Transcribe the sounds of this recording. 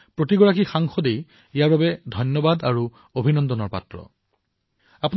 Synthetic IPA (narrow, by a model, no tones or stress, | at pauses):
pɹotiɡɔɹakixaŋxɔdej | ijaɹbabɛdʱɔjnjɔbadaɹu | obʱinɔndɔnɔɹpa̰tɹɔ̰ | apun